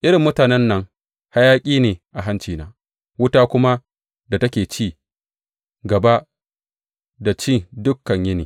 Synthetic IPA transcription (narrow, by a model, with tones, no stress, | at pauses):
ʔɪ˦ɾɪ˨mːʊ˦taː˨nɛ˦nːɐ˦ŋ | ha˦jaː˦kʲʼiː˦neː˨ʔa˨ɦa˦nt͡ʃiː˨na̰ː˨ | wʊ˦taː˦kʷʊ˦ma˦ | da˨tɐ˦kʲeː˨t͡ʃiː˦˨ | ɡɐ˨ba˦ | da˨t͡ʃiː˦˨dʊ˦kːɐ˨ɲjɪ˦ni˨